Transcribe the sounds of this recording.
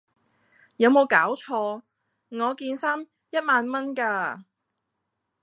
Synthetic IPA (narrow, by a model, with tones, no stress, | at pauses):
jɐ˨˧wmo˨˧wkaː˨˥wt͡ʃʰɔː˧ | ŋɔː˨˧kiː˧nsaː˥m | jɐ˥t̚maː˧nmɐ˥nkaː˧